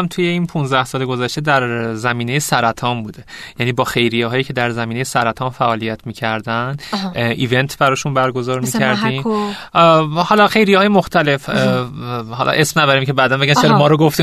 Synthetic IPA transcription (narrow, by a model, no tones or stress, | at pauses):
mt̪ʰuje̞iːnpʰũnzd̪æhsɒːleɡo̞zæʃt̪ed̪æɾzæmiːnejesæɾæt̪ʰɒːmbuːd̪e̞jjæniːbɒːxe̞jɾijeɦɒːjiːcʰe̞d̪æɾzæmiːnejesæɾæt̪ʰɒːnfæʔɒːlijæt̪ʰmiːcʰæɾd̪ænʔiːve̞nt̪ʰbæɾɒːʃunbæɾɡo̞zɒːɾmiːæɾd̪iːm | hɒlɒxe̞jɾijehɒːjemo̞xt̪æle̞f | hɒ̰lʔʔe̞smnæd̪ɒɾiːmcʰe̞bæːd̪ænbʲænseɾmɒːɾoɡoft̪i